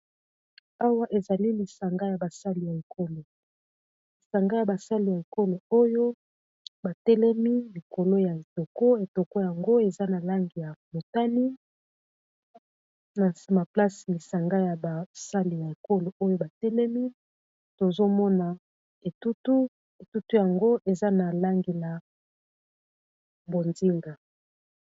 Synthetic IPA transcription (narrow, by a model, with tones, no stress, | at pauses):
a˦wa˦ʔe˨za˨li˦li˨sa˨ŋɡa˦ja˨ba˨sa˦li˨ja˨e˨kʰo˦lo˨ | li˨sa˨ŋɡa˦ja˨ba˨sa˦li˨ja˨e˨ko˦lo˨o˦jo˦ | ba˨tɛ˦lɛ˦mi˦li˨ko˨lo˦ja˨e˨to˨ko˦e˨to˨ko˦ja˨ŋɡo˦e˨za˦na˨la˦ŋɡi˨ja˨mo˨ta˦ni˦ | na˨sma˨pla˦si˨li˨sa˨ŋɡa˦ja˨ba˨sa˦li˨ja˨e˨ko˦lo˨ʔo˦jo˦ba˨tɛ˦lɛ˦mi˦ | to˨zo˦mɔ˦na˨ | e˨tu˦tu˦ | e˨tu˦tu˦ja˨ŋɡo˦ʔe˨za˦na˨la˦ŋɡe˨la˨ | bo˨nzi˦ŋɡa˨